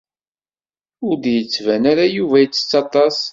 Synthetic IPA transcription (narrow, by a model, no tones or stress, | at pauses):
ʊɾd̪jət͡sːvænaɾajuvæjət͡sːə̥t͡sːɑt̪ˤɑs